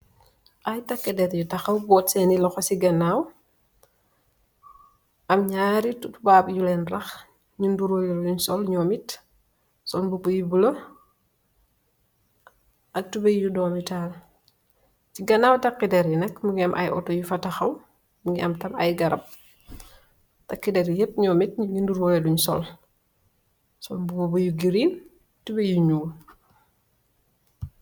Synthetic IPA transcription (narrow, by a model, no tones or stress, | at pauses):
ʔɐjtɐkːidɛɾjutɐxɐwbɔtsɛnilɔxɔsiɡɐnːaw | ʔɐmɲaːɾitutubaːbjulɛːnrɐx | ɲunduɾojuluɲsɔlɲɔːmit | sɔnbubujibulɐ | ʔɐk̚tubɛjjudɔːmjutaːl | ciɡɐnawtɐkːidɛɾinɐkmuɡiɐmʔɐ̰jʔɔ̰tɔjufɐtɐxɐw | muŋɡiʔɐmtɐmɐjɡɐɾɐp̚ | tɐkːidɛɾjep̚ːɲɔːmit̚ɲuŋinduɾoːjɛduɲsɔl | sɔnbubobujuɡiɾiːn | tubɛjuɲuː